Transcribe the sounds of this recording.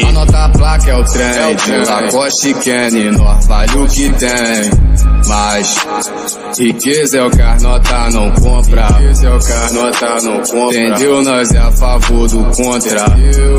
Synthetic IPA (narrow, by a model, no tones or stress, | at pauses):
anɔt̪aplakɐɛwt̪ɾẽɛd͡ʒakɔʃikẽninõavalikit̪ẽ | mɐs | hikezɐɛwkaɾnɔt̪anɐ̃w̃kõpɾakezɛwkanɔt̪anɐ̃w̃kõt̪ẽd̪ewnɔzɛafavoɾd̪ʊkõt̪ɾa